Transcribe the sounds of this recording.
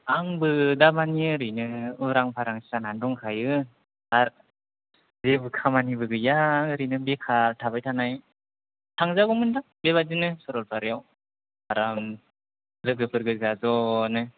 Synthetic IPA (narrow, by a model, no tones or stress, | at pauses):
aŋbɯdamaniɯɾɯjnɯɯɾaŋpʰaɾaŋsisanandɔŋkʰajɯ | aɾ | zebɯkʰamanibɯɡɯjaɾɯnɯbekʰaɾtʰabajtʰanaj | tʰaŋzaɡɔmɯnda | beβazinɯsɔɾɔlpʰaɾjaw | aɾam | zɯɡɯpʰɯɾɡɯɡazɔnɯ